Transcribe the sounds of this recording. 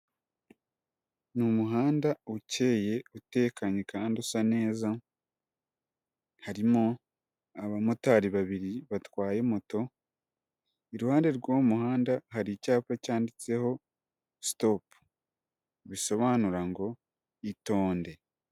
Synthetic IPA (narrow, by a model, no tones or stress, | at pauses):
numuɦaːndauce̞ːje̞ute̞ːkʰaɲekaːndusane̞ːza | haɾimo | aβamotaːɾiβaβiɾiβatwaːje̞moto̞ | iɾuhaːnde̞ɾɡwoːmuhaːndaɦaɾicaːpacaːndit͡se̞ho̞ | stopu̥ | βiso̞βaːnuɾaŋɡo̞ | ito̞ːnde̞